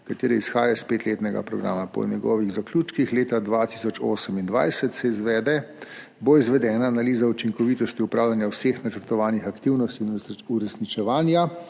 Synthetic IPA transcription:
kat̪eːɾɛisxaːjaspeːt̪leːt̪nɛɡa̰pɾɔɡɾa̰ːmapɔ̰nʲjɛɡɔ̰ːʋiɣzaklʲuːt͡ʃkixleːt̪ad̪ʋat̪isɔt͡ʃo̰ːsəmind̪ʋajsɛt̪sɛizʋɛːd̪ɛ | boizʋɛd̪ɛːnaːnaliːzaut͡ʃiŋkɔʋit̪ɔst̪iupɾaːwlʲjanjawseːxnat͡ʃəɾt̪ɔʋaːnixakt̪iwnɔst̪iuɾɛsnit͡ʃɛʋaːnja

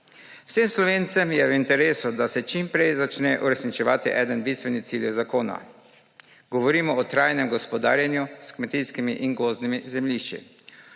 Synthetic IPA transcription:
w̥semslɔʋeːnt̪sɛmjɛʋint̪ɛɾeːsud̪asɛt͡ʃimpɾɛjzat͡ʃnɛʔuɾɛsnit͡ʃɛʋaːt̪iʔɛːd̪ənbist̪ʋɛnit̪siːljɛwzakoːna̰ | ɡɔʋɔɾiːmɔɔt̪ɾajnɛmɡɔspɔd̪a̰ːɾjanjuskmɛt̪iskimiʔiŋɡoːznimizɛmliʃt͡ʃḭ

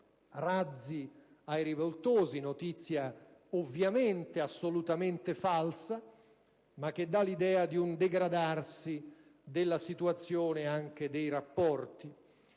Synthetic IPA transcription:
rad̪zːi | ajɾivolt̪oːzinot̪it̪sːjaovːjament̪easːolut̪ament̪efalsa | mak̟ːed̪ːalid̪ɛːad̪iund̪eɡɾad̪arsi | d̪elːasit̪uat̪sːjoːneaŋk̟ed̪ejɾapːɔrt̪i

